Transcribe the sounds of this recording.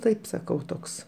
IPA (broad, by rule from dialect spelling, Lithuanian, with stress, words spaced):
ˈtɐɪp sɐˈkɐʊ ˈtoːks